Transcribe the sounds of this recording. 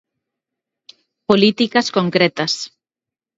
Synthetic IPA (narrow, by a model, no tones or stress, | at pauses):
polit̪ikɐskoŋkɾet̪ɐs